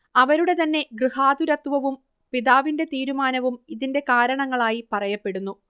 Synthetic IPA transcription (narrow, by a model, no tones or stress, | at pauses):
ɐʋɐɾuɽe̞t̪ɐnːe̞ɡrɨhaːd̪uɾɐt̪ʋɐʋum | piðaːʋinde̞t̪iːɾumaːnɐʋumiðinde̞kaːɾɐɳɐŋːɐɭaːjipɐrɐjɐpːe̞ɽunːu